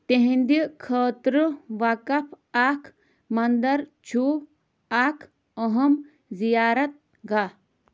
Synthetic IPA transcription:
t̪eɦĩnd̪ikʰɐːt̪ɾɨʋakɐpʰ | aːkʰ | mɐnd̪ɐɾt͡ʃʰu | aːkʰ | əɦɐm | zijaːɾɐt̪̚ | ɡa

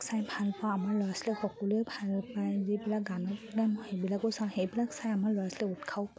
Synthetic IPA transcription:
ksajbʱalpawamaɹlɔjaslɛkʰɔkulojbʱalpajzibilak̚ɡanɔnanɔhejbilakɔsãwxejbilaksajamaɹlɔɹaslɛutkʰawp

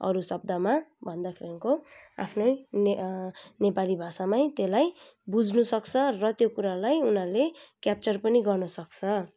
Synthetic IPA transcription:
ʌ̰ɾusʌb̚d̪amabʱʌnd̪akʰeɾʌŋkoa̰pʰno | nepalibʱasamajt̪elaj | bud͡zʱnusʌkt͡sʰʌrʌt̪jokuɾalajunalekjap̚t͡sʌrpʌniɡʌrnʌsʌkt͡sʰʌ

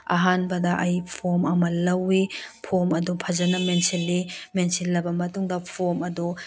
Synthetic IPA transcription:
a̰ɦanbɐdɐʔɐjpʰomɐmɐlɐwipʰomɐdupʰɐzɐnɐmensilːimensilːɐbɐmɐtuŋdɐpʰomɐdu

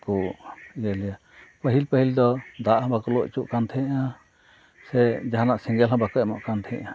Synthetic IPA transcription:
kuɡəlɛja | pəɦilpəhild̪ɔd̪aʔhãbakɔlɔʔt͡ʃuʔkant̪ʰɛ̃ʔa | sɛd͡ʒaɦanaʔsiŋɡɛlɦãbakɔɛmɔʔkant̪ʰɛ̃ʔa

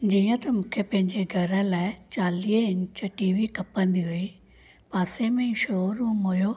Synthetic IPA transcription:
d͡ʑiːə̃t̪ɐmũːkʰepɐ̃ɦɪ̃ɲd͡ʑeɡʱɐɾə̃laːɪt͡ɕaːliːəɪ̃ɲt͡ɕɐʈiːʋikɐpə̃nd̪iɦui | paːsemẽʃoːɾũːmojoː

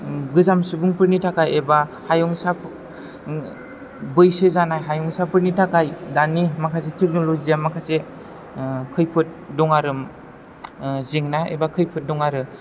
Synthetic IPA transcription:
ɡɯzamsubuŋpɯɾnitʰakajebahajɔŋsap | bɯjsɯzanajɦajɔŋsapɯɾnitʰakajdanimakʰas̬etʰek̚nolozijamakʰase | kʰɯjpʰɯt̚dɔŋaɾɯm | zeŋnaḛbakʰɯjpʰɯt̚dɔŋaɾɯ

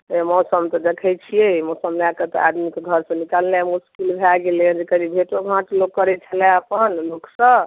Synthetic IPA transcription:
emɔwsəmt̪ɔd̪ekʰɛjt͡ʃʰijemɔsəmlaket̪ɔ̰a̰d̪mikeɡʱəɾsə̃nikalnɛmuskilbʱaɡelẽd͡ʒekəlibʱeʈoɡʱãʈloɡ̚kːəɾɛt͡ʃʰəlɛəpənlokʰsə̃

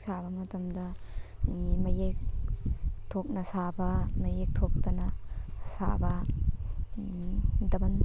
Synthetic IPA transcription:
sabɐmɐtɐmdɐ | mɐjek̚ | tʰok̚nɐsabɐmɐjek̚tʰok̚t̪ɐnɐsa̰bɐ | dɐbɐn

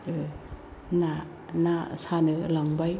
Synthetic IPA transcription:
na | nasanɯlaŋbaj

